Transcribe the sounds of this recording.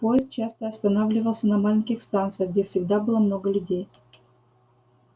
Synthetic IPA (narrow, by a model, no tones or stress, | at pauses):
pojɪst̪̚t͡ɕast̪əɐst̪ɐnavlʲɪvəlˠsʲənɐmalʲɪnʲkʲɪxst̪ant̪sɨjəɣɡdʲefsʲɪɡd̪abɨlˠəmno̞ɡəlʲʉdʲej